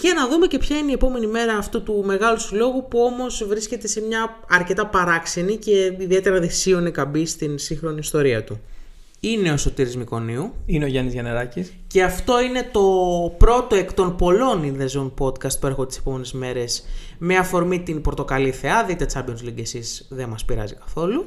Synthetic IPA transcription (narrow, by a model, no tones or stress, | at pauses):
cenɐðume̞ce̞pçɐineie̞po̞me̞nime̞ɾɐːft̪ut̪ume̞ɣɐluslo̞ɣupuo̞mo̞zvɾisce̞t̪e̞se̞mɲɐ | ɐɾce̞t̪ɐpɐɾɐksenice̞iðiet̪e̞ɾɐðisio̞nekɐmbist̪insiŋxɾo̞niːst̪o̞ɾiɐt̪u | ine̞o̞so̞t̪iɾizmiko̞niuineoʝɐnizʝɐneɾɐcis | ceɐft̪o̞ine̞t̪o̞pɾo̞t̪o̞e̞kt̪o̞npo̞lo̞ninðezonpo̞d̪kɐst̪̚pue̞ɾxot̪ise̞̥po̞me̞nezme̞ɾe̞s | meɐfo̞ɾmit̪inpɾot̪o̞kɐliθe̞ɐðit̪e̞t͡sɐbionzliɟesisðe̞mɐspiɾɐ̰zikɐ̥θo̞lu